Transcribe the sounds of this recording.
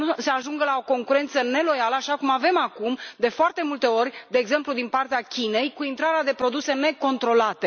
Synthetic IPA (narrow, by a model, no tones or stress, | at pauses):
nuse̞aʒuŋɡəlao̞ko̞ŋkuɾe̞nt̪səne̞lo̞jaləaʃakumave̞makumd̪e̞foart̪e̞mult̪e̞o̞rʲd̪e̞ːɡze̞mplud̪inpart̪eakʲine̞jkuint̪ɾaɾead̪e̞pɾo̞d̪use̞ne̞ko̞nt̪ɾo̞lat̪e̞